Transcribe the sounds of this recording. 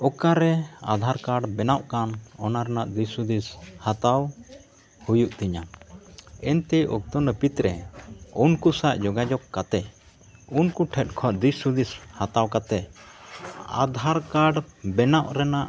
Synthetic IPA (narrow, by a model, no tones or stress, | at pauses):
ɔkaɾɛad̪ʱaɾkaɖbɛnaʔkanɔnaɾɛnaʔd̪isud̪ishat̪aw | hujuʔt̪iɲa | ɛnt̪ɛʔɔ̰k̚t̪ɔnəpit̪ɾɛunkusaʔd͡ʒɔɡad͡ʒɔkːat̪ɛ | unkuʈʰɛt̪̚ˀkʰɔʔd̪isud̪ishat̪awkat̪ɛ | a̰d̪ʱaɾkaɖbɛnaʔɾɛnaʔ